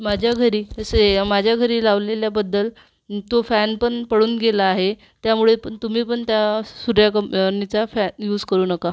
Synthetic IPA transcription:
mad͡ʑʱjaɡʱəɾiːəsemad͡ʑʱjaɡʱəɾiːlaʋleljabəd̪ːəl | t̪ofænpəɳpəɽuːnɡelaːɦe | t̪jamuɭepəɳt̪um̤iːpəɳt̪jasuɾjakənit͡safænjuːd͡zkəɾuːnəka

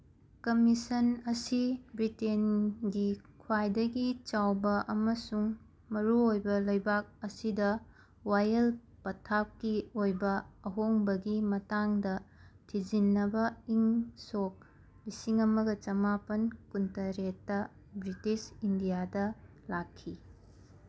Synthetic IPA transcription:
kɐmisɐnɐsibɾitenɡikʰwajdɐɡit͡ʃawbɐʔɐmɐsuŋ | mɐɾuojbɐlɐjbak̚ɐsidɐ | wajɐl | pɐtʰap̚kiojbɐɐɦoŋbɐɡimɐtaŋdɐtʰizinːɐbɐiŋsok̚ | lisiŋɐmɐɡɐt͡ʃɐmapɐnkuntɐɾetːɐ | bɾitisindijadɐ | lakʰːi

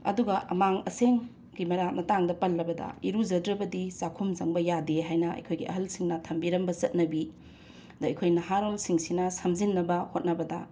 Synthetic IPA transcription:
ɐ̰duɡɐʔɐ̰maŋɐseŋ | ɡimɐɾamɐtaŋdɐpɐlːɐbɐdɐ̰iɾuzɐdɾɐbɐdisakʰumzɐŋbɐjadeɦajnɐɐ̰jkʰojɡiʔɐ̰ɦɐlsiŋnɐtʰɐmbiɾɐmbɐzɐt̚nɐbi | dɐɐjkʰojnɐɦaɾolsiŋsinɐsɐmzinːɐbɐhot̚nɐbɐdɐ

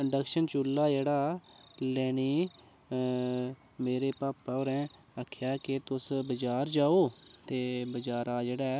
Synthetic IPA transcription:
ɖəkʃənt͡ʃuːlːaːd͡ʒeːɽaːlɛːɽ̃iː | meːɾeːpaːpaːoɾɛ̃ː | aːkʰjaːkɪt̪ʊsbəd͡ʒaːɾd͡ʒaːoːt̪eːbəd͡ʒaːɾaːd͡ʒeːɽaː

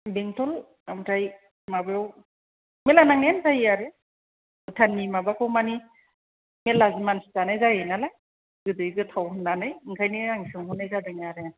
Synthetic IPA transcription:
beŋtʰɔl | amtʰaj | mabejaw | melanaŋentʰajiaɾe | ɯtʰanːimabakʰɯwmani | melazimansi̥tanajzajenalaj | ɡɯdɯjɡɯtʰawɦɯnːanɯjiŋkʰajniaŋsɯŋhunajzabeŋaɾe

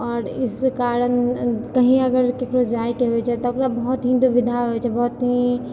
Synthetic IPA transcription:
ɔːɾɪskaːɾənkɐɦĩɐɡəɾkekɾod͡ʒaːjkeɦoɛt͡ʃʰɛt̪ɔkɾabɔɦɔt̪ɦɪ̃nd̪uʋid̪ʱaɦoɛt͡ʃʰɛbɔɦʊt̪ĩ

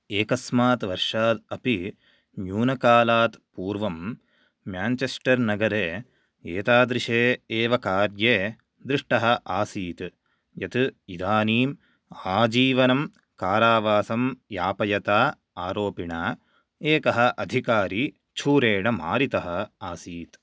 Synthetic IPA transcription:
eːkɐsmaːt̪ʋɐɾʂaːd̪ɐpi | njuːnɐkaːlaːt̪puːɾʋɐmː | jaːnt͡ʃesʈɐɾnɐɡɐɾeː | eːt̪aːd̪ɾiʂeːeːʋɐkaːɾjeː | d̪ɾiʂʈɐɦɐ̆ʔaːsiːt̪ | jɐt̪id̪ʱaːniːm | aːd͡ʒiːʋɐnɐm | kaːɾaːʋaːsɐmjaːpɐjɐt̪aː | aːɾoːpiɳaː | eːkɐɦɐ̆ʔɐd̪ʱikaːɾiː | t͡ʃʰuːɾeːɳɐma̰ːɾit̪ɐɦɐ̆aːsiːt̪

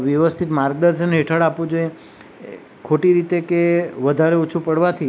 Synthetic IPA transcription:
ʋjəʋəst̪ʰit̪maɾɡ̚d̪əɾd͡ʒənɦeʈʰəɽapũd͡ʒoe | kʰoʈiɾit̪ekeʋəd̪ʱaɾeot͡ʃʰũpəɽʋat̪ʰi

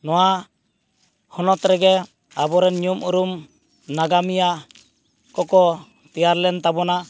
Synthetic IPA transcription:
nɔwa | hɔnɔt̪ɾɛɡɛ | abɔɾɛnɲumʔuɾum | naɡamija | kɔkɔ | t̪ɛjaɾlɛnt̪abɔna

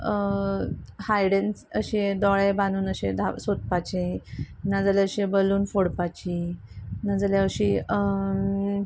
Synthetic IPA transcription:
hajɽent͡səɕed̪ɔɭebanuːnəɕẽd̪ʱasot̪̚pat͡ɕe | nad͡zalɛəɕebəluːnfoɽpat͡ɕi | nad͡zaleəɕi

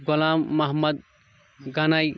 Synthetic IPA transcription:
ɡʊlaːmːɐɦmɐd̪̚ | ɡanaj

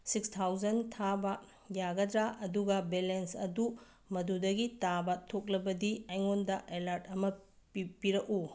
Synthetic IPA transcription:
sikstʰawd͡ʒɐntʰabɐ | jaɡɐdɾaʔɐduɡɐbelensɐdu | mɐdudɐɡitabɐtʰok̚lɐbɐdiajŋondɐʔelaɾtɐmɐ | pipiɾɐku

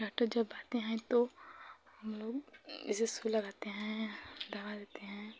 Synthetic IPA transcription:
aːʈəɾd͡ʒɐbːaːt̪eɦɛ̃t̪ohɐmloːɡɪsesulɐɡaːt̪eɦɛ̃d̪aːβad̪eːt̪eɦɛ̃

